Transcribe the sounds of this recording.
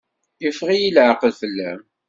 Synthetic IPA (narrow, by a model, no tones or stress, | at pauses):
jəfʁijilʕəqəlfəlːæ̰m